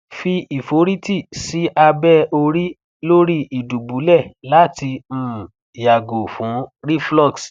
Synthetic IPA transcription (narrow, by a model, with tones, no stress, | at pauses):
fi˧i˨fo˨˦ɾi˦ti˦˨si˨˦ʔa˧bɛ˦o˧ɾi˦ | lo˦ɾi˦i˨du˨bu˨˦lɛ˦˨la˨˦ti˧m̩˦˨ | ja˨ɡo˨fũ˨˦ɾi˦flɔ˦˨ks